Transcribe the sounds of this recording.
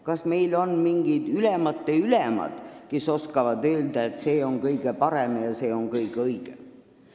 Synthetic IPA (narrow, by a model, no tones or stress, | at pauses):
kɑsme̞jlo̞nmiŋɡ̥id̪̥ylemɑt̪ˑːeylemɑ̰d̪̥ke̞so̞skɑvɑd̪ø̞ːld̪̥ɑet̪se̞ːo̞ŋkɤjɡ̥e̞pɑɾemejɑse̞ːo̞ŋkɤjkɤjɡ̥e